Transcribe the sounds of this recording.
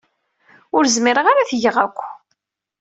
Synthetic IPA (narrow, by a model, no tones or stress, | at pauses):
ʊɾzmiɾəʁaɾaθʝəʁækʷː